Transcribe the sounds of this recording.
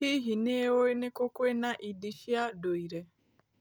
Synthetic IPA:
iɦinewoinekokwenaʔidiʃiadoiɾe

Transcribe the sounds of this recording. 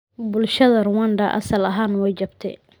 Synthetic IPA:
bʊlʃɐðɐrʊwand̪ɐʔɐ̰sɐlɐɦaːnwɛjt͡ʃɐbt̪ʰɛ̰

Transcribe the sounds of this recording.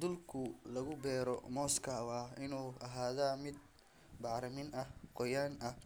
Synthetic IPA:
d̪ʊlkʰʊlɐɣʊbɛːɾɔmɔːskʰɐwɑːɪnuːʔɐɦaːðaːmɪd̪̚ | bɑʕɾɐmɪnɐhqɔjaːnʔɐh

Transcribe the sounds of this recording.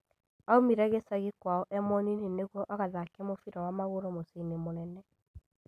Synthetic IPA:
aomiɾɛɣesaɣikwaɔʔɛmɔnineneɣwɔʔaɣaðakɛmofiɾɔwamaɣoɾɔmoseinemonɛnɛ

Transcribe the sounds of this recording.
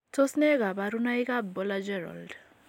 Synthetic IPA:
tʰɔsneɡabaɾunajɡabbɔlad͡ʒɛɾɔ̰ld

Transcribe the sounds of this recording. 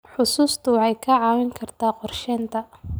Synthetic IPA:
ħʊsuːst̪ʰʊʕɛjkʰɐʕɑːwɪŋkʰɐrt̪ʰaːqɔrʃɛːnt̪ʰɐ

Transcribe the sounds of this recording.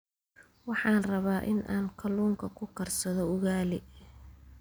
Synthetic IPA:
wɑħɑːnrɐβaːʔɪ̰nʔa̰ːŋkʰɐluːŋkʰɐkʰʊkʰɐrsɐðɔʊɣaːlɪ

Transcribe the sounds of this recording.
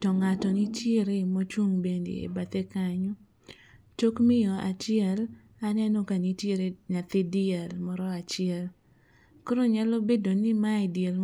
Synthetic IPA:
tɔŋatɔnitjeɾemot͡ʃwuŋbendḛḛbat̪ekaɲo | t͡ʃokmɪjɔa̰t͡ʃɪɛl | anɛnɔkanitjeɾeɲat̪edɪɛlmɔɾɔat͡ʃɪɛl | koɾoɲalobedonimaidɪɛl

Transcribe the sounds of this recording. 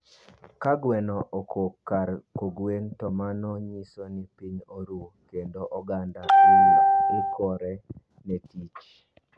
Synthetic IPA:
kaɡwɛnɔʔokʰokːaɾkoɡwentɔmanɔɲisonɪpiɲoɾukendoʔɔɡandakoɪkɔɾɛ | nɛtit͡ʃ

